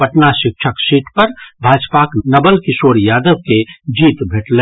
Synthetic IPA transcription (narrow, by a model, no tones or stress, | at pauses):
pəʈnaʃik̚t͡ʃʰəksiʈpəɾbʱad͡ʒpaknəbəlkisoɽjad̪əb̚ked͡ʒit̪bʱeʈle